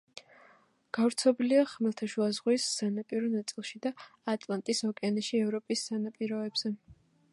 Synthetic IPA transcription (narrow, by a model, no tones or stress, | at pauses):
ɡ̥avɾt̪sʰɔbliaχmɛlˠt̪ʰaʃuazʁwisːanapʼiɾɔnat̪sʼilˠʃid̪aːt̪ʼlˠant̪ʼisɔkʼɛanɛʃiɛvɾɔpʼisːanapʼiɾɔɛbz̥ɛ